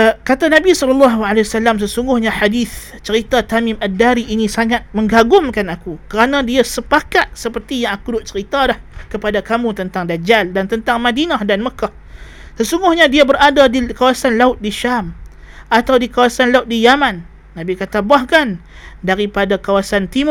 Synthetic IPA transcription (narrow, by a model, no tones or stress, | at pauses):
kat̪anãbisɔlɔlːɑɦualesalams̬əsuŋɡʊhɲaħadiθ | t͡ʃəɾit̪at̪amɪ̃madːaɾiʔːnisaŋat̪̚mə̃ŋɡaɡʊmkanakukəɾanãdiasəpakat̪̚səpərt̪ijaŋakudʊʔ̚t͡ʃəɾit̪alahkəpadakamũt̪ənt̪aŋdad͡ʒaldant̪ənt̪aŋmadinahdanməkah | səsuŋɡʊhɲadiabəɾadadikawasanlaʊt̪̚diʃam | ʔat̪awdikawasanlaʊt̪̚dijamãnː | ãbikat̪abahkan | daɾipadakawasant̪im